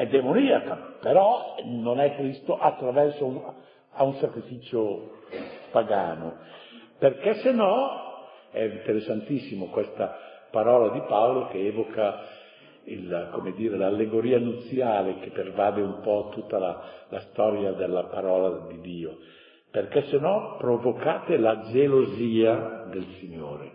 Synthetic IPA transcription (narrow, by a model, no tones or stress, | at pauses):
ɛd̪ːemoniakapeɾɔnonɛkːɾist̪oʔat̪ːɾavɛrsou | aunsakɾifit͡ʃo | paɡaːnoperkɛsːenɔ | ɛint̪eɾesːant̪isːimokwest̪apaɾɔːlad̪ipaolokeɛːvoka | ilkomed̪iːɾelalːeɡoɾiːanut̪sːjaːlekepːervaːd̪eumpɔt̪ut̪ːalalast̪ɔɾjad̪elːapaɾɔːlad̪id̪iːo | perkɛsenɔpɾovokaːt̪elad͡ʒeloziːad̪elsiɲːoːɾe